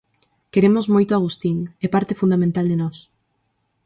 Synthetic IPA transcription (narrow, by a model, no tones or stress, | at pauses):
keɾemozmojt̪oaɣ̞ust̪iŋɛpaɾt̪efund̪amẽnt̪ald̪enɔs